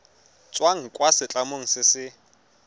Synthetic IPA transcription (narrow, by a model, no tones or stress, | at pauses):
t͡sʼwaŋ̩kʼwasɪt͡ɬʼamoŋ̩sɪsɪ